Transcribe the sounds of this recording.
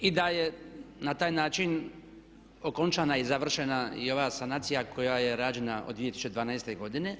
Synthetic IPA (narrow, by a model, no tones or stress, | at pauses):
id̪ajenat̪aːjnaːt͡ʃin | o̞ko̞nt͡ʃaːnaizaʋr̩ʃenaḭo̞ʋaːsanaːt̪sijakʰo̞jaje̞ɾaːd͡ʒe̞naod̪ʋiet̪i̥su̥t͡ʃed̪ʋaːnajst̪eɡo̞d̪ine̞